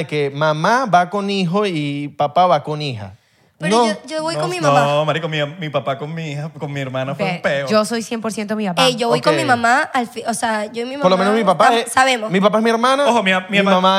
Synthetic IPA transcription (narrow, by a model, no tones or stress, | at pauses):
eke̞mamaβako̞niɦoipapaβako̞nixa̰ | enod͡ʒoβojkonmimnaoamaɾikomimipapakonmiihakonmieɾmãnafepeod͡ʒosojsjempoɾsjent̪omipapeʝoβojkomimamaalfioseaʝoemimoɾlomenozmipapasaβemomipapaezmieɾmãnaoxomimimmãma